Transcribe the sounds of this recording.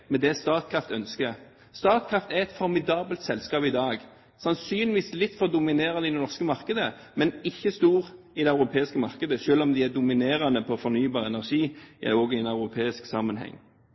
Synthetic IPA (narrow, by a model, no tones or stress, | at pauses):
mɛd̪ɛst̪ɑːt̪̚kʰʁɑft̪œnskə | st̪ɑːt̪kʰʁɑft̪æʁɛt̪fɔɾmɪd̪ɑːbəlt̪sɛlskɑːpɪd̪ɑːɡ | sɑnsyːnɪʋiːslɪt̪ːfɔʁd̪ʊmɪneːʁɑnəɪd̪ɛnɔʁskəmɑʁkəd̪ə | mɛnɪçːəst̪uːʁ | ɪd̪ɛɑʉɾʁʊpʰeːɪskəmɑʁkəd̪əʃøːlɔmd̪ɪæd̪ʊmɪneːɾɑnəpʰɔfɔʁnyːbɑːʁɛnæʁʂiːɔːɡɪɛnɑʉɾʊpʰeːɪsksɑmənɦɛ̰ŋː